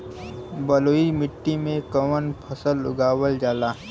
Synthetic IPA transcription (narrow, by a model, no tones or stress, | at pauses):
bəloːimɪʈːimẽkəʋənpʰəsəlʊɡaːwəld͡ʒaːlaːɦ